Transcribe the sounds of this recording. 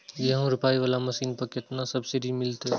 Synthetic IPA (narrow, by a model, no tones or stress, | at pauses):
jəɦũɾʊpaːiʋaːlamɐsiːnpɐɾkɪt̪nasɐbsɪdʱimɪlt̪e